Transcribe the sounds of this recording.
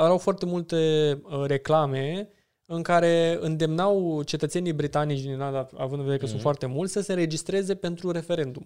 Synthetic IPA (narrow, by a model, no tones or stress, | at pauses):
əɾawfoart̪e̞mult̪eɾe̞klame | ɨŋkaɾe̞ɨnd̪e̞mnawt͡ʃe̞t̪ət̪se̞nijbɾit̪anit͡ʃd̪iinad̪aa̰vɨnd̪ɨveeɾekəsut̪foart̪e̞mult̪ʲsəse̞ɨ̃ɾed͡ʒist̪ɾe̞ze̞pe̞nt̪ɾuɾe̞fe̞ɾe̞nd̪um